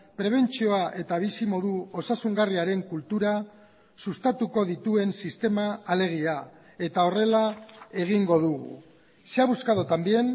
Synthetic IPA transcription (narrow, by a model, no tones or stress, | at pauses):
pɾe̞β̞e̞nt͡sio̞aʔe̞t̪aβ̞isimo̞ðuo̞sasuŋɡariaɾe̞ŋkult̪uɾa | sust̪at̪uko̞ðit̪ue̞nsist̪e̞maːle̞ɣ̞ia | e̞t̪ao̞re̞lae̞ɣ̞iŋɡo̞ðuɣṵ | seaβuskaðot̪ambie̞n